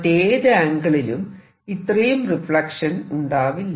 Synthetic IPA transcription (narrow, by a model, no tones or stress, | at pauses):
tːeːðɨaːŋɡɐɭilum | it̪ːrɐjumrifɭɐkʂɐnuɳɖaːʋilː